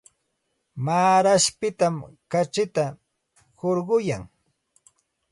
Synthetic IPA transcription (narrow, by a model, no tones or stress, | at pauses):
maːɾaʃpɪt̪amkat͡ʃɪt̪a | hoɾɢʊjaŋ